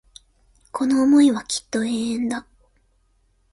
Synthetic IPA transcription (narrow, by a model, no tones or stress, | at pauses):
kʰo̞no̞ːmo̞iβakʲi̥t̪ːo̞e̞ːẽnd̪a